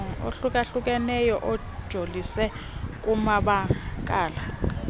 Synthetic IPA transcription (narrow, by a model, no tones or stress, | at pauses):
o̰ɬuk̬ʼaɬuk̬ʼɛnɛjɔʔɔ | d̥ʒ̥ʱolisɛ | kʼumaɓakʼaːla